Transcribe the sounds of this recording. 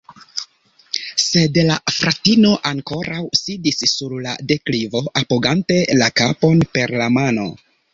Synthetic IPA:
se̞dlafɾatino̞ʔaŋko̞ɾawsidisːuɾla̰de̞klivo̞ʔapoɡante̞lakapo̞npe̞ɾlamano̞̰

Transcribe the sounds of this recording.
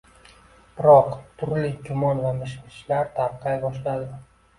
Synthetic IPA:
b̥ɪɾɒqt̪ʰʊɾlɪkʲʰʊmɒnvamɪʃmɪʃlaɾt̪ʰaɾqʰɑjbɒʃlad̪ɪ

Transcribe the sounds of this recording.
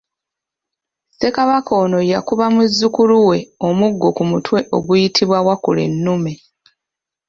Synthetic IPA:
se̞kaβako̞ːno̞jakuβamuzːukuluwe̞o̞muɡːo̞kumutʰwe̞ʔo̞ɡujitʰiβwawakule̞̰nːume̞

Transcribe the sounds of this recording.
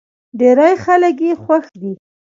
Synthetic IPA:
ɖeɾajxalək̬jexwaxd̪i

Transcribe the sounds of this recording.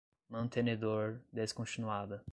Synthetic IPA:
mɐ̃nt̪ʰened̪oɾd̪eskõnt͡ʃinuad̪ɐ

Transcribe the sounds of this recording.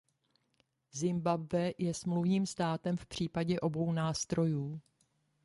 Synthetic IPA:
zɪmbabvɛjɛsmluvɲiːmst̪aːt̪ɛmfpr̝̥iːpaɟɛʔo̞bo̞wnaːst̪ɾo̞juː

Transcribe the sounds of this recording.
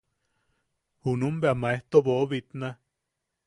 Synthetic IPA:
hunumbeamaeht̪oboβit̪na

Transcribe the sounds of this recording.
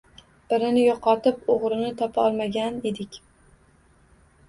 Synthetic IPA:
b̥ɪɾɪnɪjɒqʰɒt̪ɪpoʁɾɪnɪt̪ʰɒpʰɒlˠmaɡʲane̞d̪ɪkʲ

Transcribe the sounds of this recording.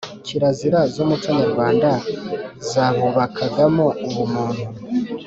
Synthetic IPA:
ciɾaziɾazomutwaɲaɾuβaːndazaβuβakʰaɡamouβumuːnhu

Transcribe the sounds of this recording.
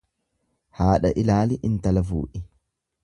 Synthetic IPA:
haːᶑɐʔɪlaːlɪʔɪnt̪ɐlɐfṵːʔɪ

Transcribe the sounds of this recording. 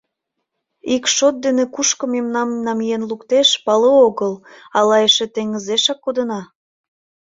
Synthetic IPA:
ikʃot̪̚d̪enekuʃkɤ̆memnɑmnɑmijenlukt̪eʃpɑlooɣəlɑlɑjeʃĕt̪eŋɡəzeʃɑkːod̪ənɑ

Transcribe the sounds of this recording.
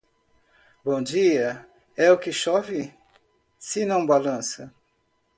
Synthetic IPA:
bõd͡ʒiɐ | ɛʊkɪʃɔvɪ | sɪnɐ̃w̃balɐ̃sɐ

